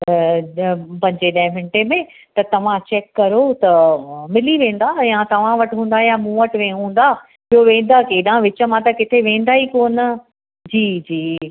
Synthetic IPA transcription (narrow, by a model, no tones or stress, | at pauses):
pɐ̃ɦɪ̃ɲd͡ʑeɗɐ̃ɦɪ̃ʋɪ̃ɳʈemẽ | t̪ɐt̪ɐʋ̤ãt͡ɕɛːkːɐɾot̪ɐmɪliʋẽːn̆d̪ajãt̪ɐʋ̤ãʋɐʈɦũːn̆d̪ajãmũːəʈʋẽːɦũːn̆d̪aː | ɪɦoʋẽːn̆d̪akeːɗãʋɪt͡ɕə̆mãt̪ɐkɪt̪ʰeʋẽːnd̪aːɦikoːnə | d͡ʑiːd͡ʑiː